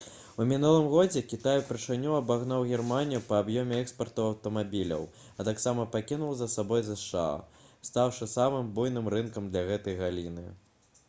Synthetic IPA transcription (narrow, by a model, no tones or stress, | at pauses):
umʲinulˠɨmɣɔd͡zʲɛkʲit̪ajupɾɨʂɨnʲuɐbaɣnawɣʲirmanʲijupɐːbjɔmʲɛɛkspɐrt̪ɐɐwt̪ɐmabʲilʲɐ̰w | ɐt̪aksamɐpakʲinuwzɐsabɔjzɐʂa̰st̪awʂɨsamɨmbujnɨmɾɨnkɐmd̪lʲɐɣɛt̪ɐjɣalʲinɨ̰